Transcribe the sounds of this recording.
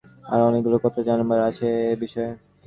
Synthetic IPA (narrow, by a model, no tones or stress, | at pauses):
a̰ɾɔnekɡulokɔt̪ʰad͡ʑanmaɾat͡ɕʰeːbiʃɔe